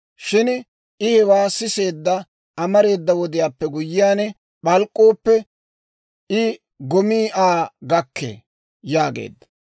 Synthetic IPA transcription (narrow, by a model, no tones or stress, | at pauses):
ʃɪn | ɪhɛwaːsɪse̞ːd̪ːɐ | ɐmɐɾe̞ːd̪ːɐwɔd̪ɪjaːpːɛɡʊjːɪjaːnɛ | ɓɐlkʼːoːpːɛ | ɪ | ɡɔmiːʔaːɡɐkʰːḛː | jaːɡḛːd̪ːɐ̥